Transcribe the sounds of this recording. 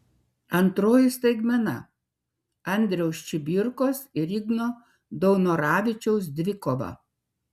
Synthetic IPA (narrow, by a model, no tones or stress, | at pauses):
ɐnt̪ɾoːjɪst̪ɐɪɡmʲɛnɐ̰ | ɐnʲd̪ʲɾʲɛʊst͡ʃʲɪbʲɪɾkoːsɪɾʲɪɡnoː | d̪ɔʊnoːɾɑːʋʲɪt͡ʃʲɛʊs̬d̪ʲʋʲɪkoːʋɐ̰